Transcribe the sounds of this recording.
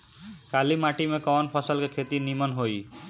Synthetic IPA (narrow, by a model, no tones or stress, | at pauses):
kalimaʈimekɔnpʰɔsɔlkekʰet̪inimɔnɦoj